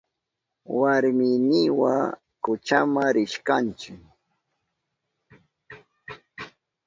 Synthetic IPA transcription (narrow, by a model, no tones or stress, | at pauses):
waɾmɪnɪwa̰ | kʊt͡ʃamaɾɪʃkant͡ʃɪk